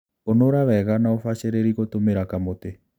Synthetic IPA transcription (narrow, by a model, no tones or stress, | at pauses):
onoɾaβɛɣanaofaɕeɾeɾiɣotomeɾakamote